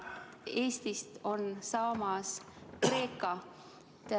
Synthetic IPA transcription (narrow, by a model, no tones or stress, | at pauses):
e̞ːst̪ist̪o̞nsɑːmɑs | kre̞ːkːˑɑ | t̪